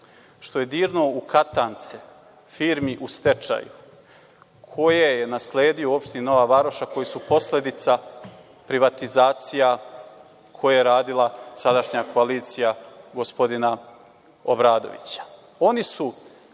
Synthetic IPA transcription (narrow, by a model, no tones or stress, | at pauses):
ʃt̪o̞je̞d̪iːɾno̞ukʰat̪aːnt̪se | fiːɾmiʔust̪e̞t͡ʃa̰jṵ | kʰo̞jejenasleːd̪ioo̞pʃt̪inno̞ʋaʋaɾoʃako̞jesupo̞sle̞d̪it̪sa | pɾiʋat̪izaːt̪sija | kʰo̞jejeɾaːd̪ilˠasad̪aʃɲakʰo̞aliːt̪sijaɡospo̞d̪ina | obɾaːd̪o̞̰ʋḭt͡ɕḁ | o̞nisu